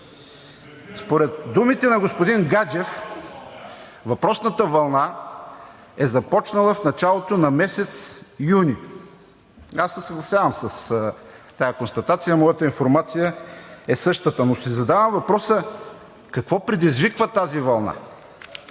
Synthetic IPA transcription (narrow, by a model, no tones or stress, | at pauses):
spoɾɛt̪̚d̪umit̪ɛnɐɡospod̪inɡad͡ʒɛf | vɐpɾɔsnət̪əvɐlˠna | ɛzɐpɔt͡ʃnɐlˠəfnɐt͡ʃalˠot̪onɐmɛsɛt̪sijuni | asːɛsəɡlˠɐsʲjavəmsɐst̪ajɐkonst̪ɐt̪at̪sijəmɔjət̪əinfoɾmat̪sijəɛsɤʃt̪ət̪ənosizɐd̪avəmvɐpɾɔsə | kɐkvɔpɾɛd̪izvikvət̪azivɐlˠna̰